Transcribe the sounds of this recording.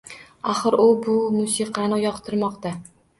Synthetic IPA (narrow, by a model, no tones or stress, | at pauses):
aχɨɾʊbʊmʊsiqʰɑnɪjɒqt̪ʰɪɾmɒqt̪a